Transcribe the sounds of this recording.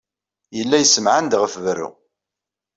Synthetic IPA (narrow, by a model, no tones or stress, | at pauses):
jəlːæjəsəmʕənd̪ʁəfvɾṵ